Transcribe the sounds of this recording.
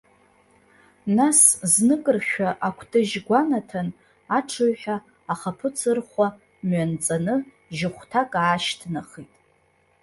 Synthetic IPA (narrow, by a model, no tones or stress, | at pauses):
nasznɨkʼɨrχʲᶣaʔakʷʰtʰʼɨʒɡʷanatʰan | aʈ͡ʂʰɨɥħʷᶣaː | χapʰɨt͡sʰɨrχʷa | mɥant͡sʼanɨ | ʒɪχʷtʰakʼaːʃtʰnaχitʼ